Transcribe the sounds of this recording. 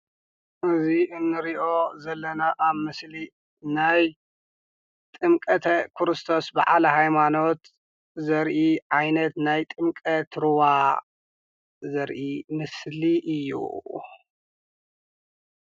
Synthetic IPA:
ʔɨziʔɨnːɨɾiʔo̞zɐlːɐnaʔaβmɨsli | naj | t̪ʼɨmkʼɐt̪ʰɐkʰɾɨst̪ʰo̞sba̰ʕalɐhajmano̞t̪ | zɐɾʔiʕajnɐt̪najt̪ʼɨmkʼɐt̪ʰɾɨwa | zɐɾʔimɨsliʔɨjːṵ

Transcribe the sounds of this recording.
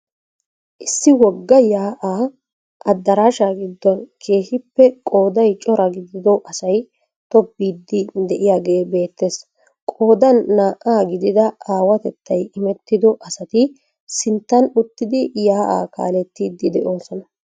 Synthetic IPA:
ʔɪsːɪwɔɡːɐjaːʔaː | ʔɐd̪ːɐɾaːʃaːɡɪd̪ːɔnkʰe̞ːhɪpːɛkʼo̞ːd̪ɐjt͡ʃʼɔɾɐɡɪd̪ɪd̪ɔʔɐsɐj | t̪ɔbːiːd̪ːɪd̪ɛʔɪjaːɡe̞ːbe̞ːt̪ːe̞ːs | kʼo̞ːd̪ɐnːaːʔaːɡɪd̪ɪd̪ɐaːwɐt̪ɛt̪ʰːɐjɪmɛt̪ːɪd̪ɔʔɐsɐt̪ɪ | sɪnt̪ːɐnʊt̪ːɪd̪ɪjaːʔa̰ːka̰ːlɛt̪ːiːd̪ːɪd̪ɛʔo̞ːsɔnɐ

